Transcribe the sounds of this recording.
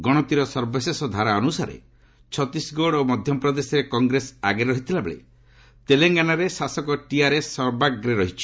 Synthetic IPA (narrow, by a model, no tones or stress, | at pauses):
ɡɔɽ̃ɔt̪iɾɔsɔɾbɔsesɔd̪ʱaɾaɔnusaɾḛ | t͡ʃʰɔt̪isɡoɽɔomɔd̪ʱjɔpɾɔd̪esɔɾekɔŋɡɾesaɡeɾɔɦit̪ʰilabḛɭḛ | t̪eleŋɡanaɾesasɔkɔʈiaɾessɔɾbaɡɾeɾɔɦit͡ʃʰi̥